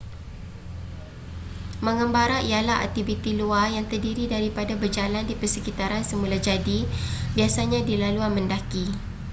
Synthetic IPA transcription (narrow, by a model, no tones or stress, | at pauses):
məŋəmbaɾaijalaɦa̰t̪ibit̪iluajaŋt̪ərdiɾidaɾipadabərd͡ʒalandipərsəkit̪aɾansəmulad͡ʒadibiasaɲãdilaluanməndaki